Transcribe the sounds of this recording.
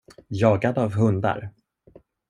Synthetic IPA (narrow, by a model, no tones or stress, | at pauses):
jɑːɡad̪avɦɵnd̪a̰ɾ